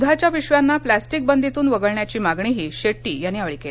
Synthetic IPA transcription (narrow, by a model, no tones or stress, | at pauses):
d̪ʱat͡ɕjaʋiɕʋjanːaplæsʈik̚bənd̪ʱit̪uːnʋəɡəɭɳjat͡ɕiːmaɡɳiɦiːɕeʈːiːjaniːaʋɭikel